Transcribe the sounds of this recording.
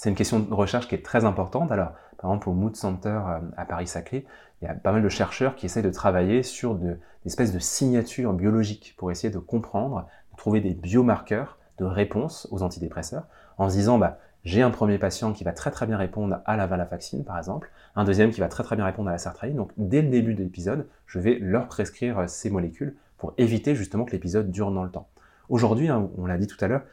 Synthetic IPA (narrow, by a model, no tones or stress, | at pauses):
sɛt̪ynkʲɛst̪jɔ̃d̪əʁəʃɛʁʃkʲiɛt̪χɛzɛ̃pɔʁt̪ɑ̃t̪alɔʁpaʁɛɡzɑ̃plomud̪sɑ̃t̪œʁøapaʁisakle | ilja̰pamald̪əʃɛʁʃœʁkʲiesɛjd̪ət̪χavajesyʁd̪ə | zɛspɛs̬d̪əsiɲat̪yʁbjɔlɔʒikpuʁesejed̪əkɔ̃pχɑ̃d̪ʁ | d̪ət̪χuved̪ebjomaʁkœʁ | d̪̥əʁepɔ̃sozɑ̃t̪id̪epχɛsœːʁ | ɑ̃sd̪izɑ̃ba | ʒeɛ̃pχəmjepasjɑ̃kʲivat̪χɛt̪χɛbjɛ̃ʁepɔ̃d̪ʁalavɛ̃lafaksinpaʁɛɡzɑ̃pl | ɛ̃d̪øzjɛmkʲivat̪χɛt̪χɛbjɛ̃ʁepɔ̃d̪ʁalasaʁt̪χaid̪ɔ̃kd̪ɛləd̪ebyd̪əlepizɔd̪ | ʒ̥əvɛlœʁpχeskχiʁsemɔlekʲyl | puʁevit̪eʒyst̪əmɑ̃kəlepizɔd̪ːyʁd̪ɑ̃lət̪ɑ̃ | oʒuʁd̪ɥiɛ̃ɔ̃lad̪it̪u̥t̪alœːʁ